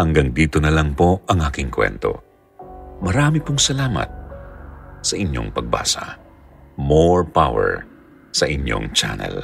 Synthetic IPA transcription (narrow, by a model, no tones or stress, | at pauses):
hɐŋɡɐŋd̪iːt̪onɐlɐŋpo̞ʔɐŋʔaːkɪŋkwɛ̰nt̪o̞̰ | mɐɾaːmɪpoŋsɐlaːmɐ̰t̪̚ | sɐʔɪɲjo̞̰ŋpɐɡ̚ba̰ːsɐ | moɹpawɛ̰ɹ | sɐʔɪɲjo̰ŋt͡ʃa̰nɛ̰l